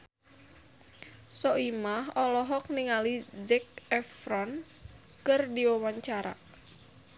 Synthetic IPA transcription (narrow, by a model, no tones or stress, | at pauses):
sɔimaɦɔlɔɦɔk̚niŋalid͡ʒɛk̚ɛfrɔn | kɨrdiwawaɲt͡ʃaɾa̰